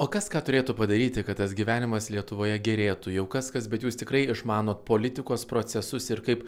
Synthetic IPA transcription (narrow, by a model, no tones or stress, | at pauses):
oːkɐskɑːt̪ʊɾʲeːt̪uːpɐd̪ɐɾʲiːt̪ʲɪkɐt̪t̪ɐsɡʲiːʋʲæːnʲɪmɐslʲiɛt̪ʊʋoːjɛɡʲɛɾʲeːt̪uːjɛʊkɐskɐsbʲɛt̪juːst̪ʲɪkɾɐɪɪʃmɑːnoːt̪̚poːlʲɪt̪ʲɪkoːspɾoːsʲɛsʊsɪɾkɐɪp